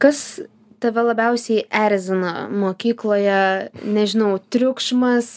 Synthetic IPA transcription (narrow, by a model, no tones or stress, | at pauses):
kɐs | t̪ɐʋʲɛlˠɐbʲɛʊsʲɛɪʔæɾʲzʲɪno̰moːkʲiːklˠoːjɛnʲɛʒʲɪnɐʊt̪ʲɾʲʊkʃmɐs